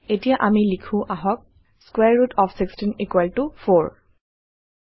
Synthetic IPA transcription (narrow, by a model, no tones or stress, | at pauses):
etijaʔamilikʰʊ̃ʔaɦɔk̚ | skwɛɹɹutʰɔfʰsikstinikwaltʊfoɹ